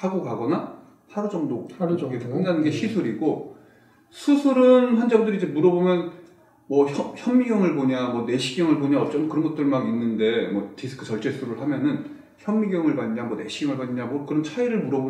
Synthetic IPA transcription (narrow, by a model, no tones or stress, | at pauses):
haɡokaɡʌna | saɾud͡ʑʌŋdoɡeokɯndanɯnɡe̞ɕʰisʰuɾiɡo | sʰusʰuɾɯnɸand͡ʑaɡodɯɾid͡ʑe̞muɾʌbomjʌn | mʌçʌçjʌmːiɡjʌŋɯɭboɲamwʌne̞ɕʰiɡjʌŋɯɭboɲaʌt͡ɕ͈ʌnkɯɾʌnɡʌt͈ɯɭmaninːɯnde̞mwʌtisʰɯ̥kʰɯt͡ɕʌɭt͡ɕ͈e̞sʰuɾɯɭɦamjʌnɯn | çjʌnːiɡjʌŋɯɭbaɲɲamʌne̞ɕʰiɡjʌŋɯɭbaɲiɲamʌkɯɾʌnt͡ɕʰaiɾɯɭmuɾʌbo